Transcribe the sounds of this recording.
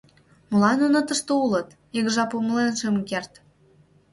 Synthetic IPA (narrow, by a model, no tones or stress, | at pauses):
mə̆lɑnonə̆t̪ə̆ʃt̪oulɤ̆t̪ | iɣʒɑpuməlenʃemkert̪